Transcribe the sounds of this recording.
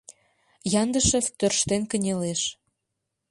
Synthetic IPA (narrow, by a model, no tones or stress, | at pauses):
jɑnd̪əʃet̪ørʃt̪enkə̆nʲeleʃ